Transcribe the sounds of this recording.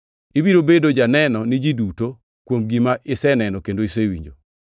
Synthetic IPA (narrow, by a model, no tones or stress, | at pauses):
ibiɾobedod͡ʒanɛnɔnid͡ʒiduto | kwomɡimaʔɪsɛnɛnɔkendoisewḭɲd͡ʒo̰